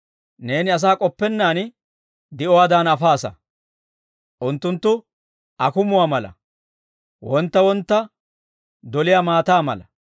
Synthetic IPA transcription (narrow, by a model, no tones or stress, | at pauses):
ne̞ːnɪɐs̬aːkʼɔpːɛnːaːn | d̪ɪɔwaːd̪anɐfaːsɐ̰ | ʔʊnt̪ːʊnt̪ːʊ | ɐkʊmʊwaːmɐlɐ̰ | wɔnt̪ːɐwɔnt̪ːɐ | d̪ɔlɪjaːmaːt̪aːmɐ̰lɐ